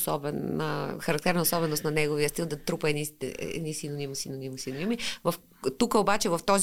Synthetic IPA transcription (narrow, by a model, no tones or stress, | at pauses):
sɔbɛnə̰xɐɾɐk̚t̪ɛɾnəosɔbɛnost̪nɐnɛɡoviəst̪ilˠd̪ɐt̪ɾupɐɛnist̪ɛ̰ɛ̰nisinonimsinonimsinonimivɐf | t̪ukəobat͡ʃɛvɐft̪ɔz